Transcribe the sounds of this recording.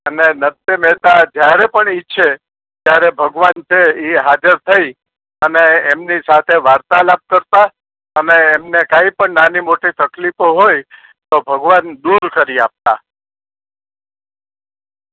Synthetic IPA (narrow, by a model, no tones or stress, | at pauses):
ənenət̪jəmɛt̪ad͡ʒjaɾepəɳiʃʰe | t̪jaɾebʱəɡʋant͡ʃʰeiɦad͡ʒəɾt̪ʰəi | əneːmnisat̪ʰeʋaɾt̪alab̚kəɾt̪a | əneːmnekãipəɳnanimoʈit̪əklifoɦoj | t̪obʱəɡʋand̪uɾkəɾiap̚t̪a̰